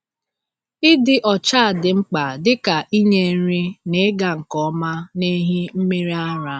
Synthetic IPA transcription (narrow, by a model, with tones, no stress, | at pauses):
ɪ˦dɪ˦ʔɔ˨t͡ʃa˦a˨dɪ˨ŋ͡m̩˦k͡pa˨dɪ˦ka˨ʔi˦ɲe˦ɾi˦ne˦ɡa˨ŋ̩˨kɔ˦ma˦ne˦ɦi˦m̩˦me˦ɾi˦a˦ɾa˨˦